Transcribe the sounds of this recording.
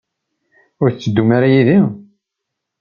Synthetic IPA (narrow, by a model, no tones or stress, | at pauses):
ʊɾθt͡sːəd̪ːumaɾajiðim